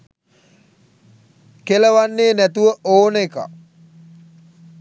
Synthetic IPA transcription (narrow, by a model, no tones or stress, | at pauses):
keləʋanːeːnæt̪uʋəʔoːnəeka̰